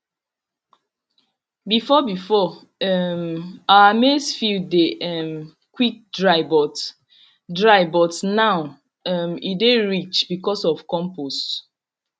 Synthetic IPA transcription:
bifɔbifɔ | ɛmaamesfildeʔɛm | kwik̚dɹaɪbɔt | dɹaɪbɔtnaʊ | ɛmideɹit͡ʃbikɔsɔfkɔ̃mpost

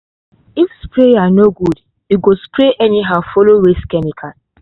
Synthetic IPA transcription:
ifspɹejanoɡud | juɡospɾeʔɛniɦaʊfɔloɹeskɛmikʰa

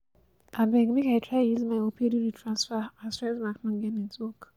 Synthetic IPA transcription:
abɛ̃ɡmĩkaɪtʰɹajuzmaopʰediɾitʰɹãnsfaasɛ̃smaknʊ̃ŋɡɛ̃nẽtwɔk

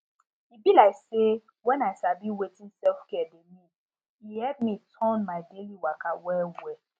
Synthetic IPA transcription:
ibilaɪkse | wɛ̃naɪʃabiwetĩnsɛlfkɛdemi | ihɛd̚mitʰɔ̃nmaɪdeliwakawɛwɛ

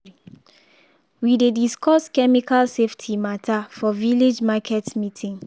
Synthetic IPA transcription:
widediskɔskɛmikalseftʰimatʰafɔviled͡ʒmakʰɛtmitʰĩŋ

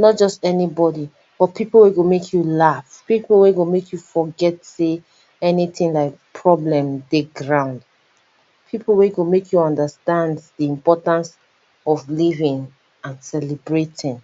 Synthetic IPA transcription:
nɔt̚d͡ʒɔstɛnibɔdi | b̥ɔtpʰipl̩ˠweɡomekʰjulafpipl̩ˠweɡomekʰjufɔɡɛtse | ɛniθɪ̃ŋlaɪk̚pʰɹɔblɛ̃mdeɡɹãʊ̃nd | pʰipʰl̩ˠweɡomekʰjuɔ̃ndəstãndðiĩmpɔtãns | ɔvlivɪ̃ŋ | ãnsɛlɛbɹetʰɪ̃ŋ

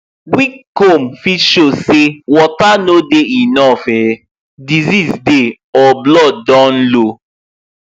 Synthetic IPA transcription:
wikkomfitʃosewɔtanodeinɔfɛ | dizisde | ɔblɔddɔ̃nlo

